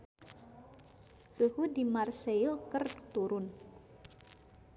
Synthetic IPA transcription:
ɡ̥əhudimarseɪlkərt̪uɾʊn

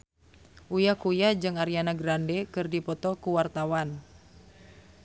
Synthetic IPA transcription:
ʔujakujad͡ʒɨŋaɾijanaɡɾandɛkɨrdipɔt̪ɔkuwart̪awan

